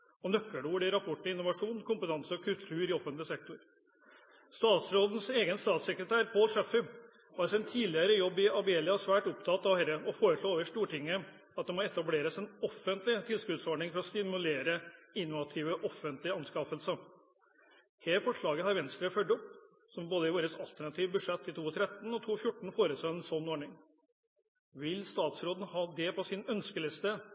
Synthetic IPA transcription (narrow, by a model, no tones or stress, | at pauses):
ɔnœkːəɖuːʋɖɪɾɑpʰɔʈːɪnʊʋɑʂuːnkʰʊmpət̪ʰɑnsəɔkʰʉlt̪ʰʉːɾɪɔfənt̪lɪsɛk̚t̪ʊɾ | st̪ɑːt̪sɾoːd̪n̩seːɡənst̪ɑːt̪sɛkɾət̪ʰæːɾpʰoːlʂɛfɪb | ʋɑːɾsɪnt̪ʰiːlɪəɾəjɔbːɪɑbeːlɪɑsʋæːʈʊp̚t̪ʰɑt̪ːɑʋhɛɾəɔfoːɾəʂɭoːeːʋəʂt̪uːʈɪŋːə | ɑt̪̚d̪ɛmɔɛt̪ɑbleːɾəsɛnɔfːənt̪lɪt̪ʰɪlskʉd̪sɔɖɳɪŋfɔɾɔst̪ɪmʉleːɾəɪnːɔʋɑt̪ʰiːʋəʔɔfənt̪lɪɑnskɑːfəlsə | heːɾfɔʂɭɑːɡəhɑɾʋɛnst̪ɾəfœɖɔp | sɔmboːd̪əɪʋoːɾəsɑlt̪æɳɑt̪ʰiːʋbʉʂɛt̪ːɪt̪ʰuːɔt̪ʰɾɛt̪ːn̩ɔt̪ʰuːfjʊʈːɳ̩foːɾət̪ʰlɔːɛnsɔnːɔɳɪŋ | ʋɪlst̪ɑːt̪sɾoːd̪ən̩hɑːd̪ɛpʰɔsɪnœnskəlɪst̪ə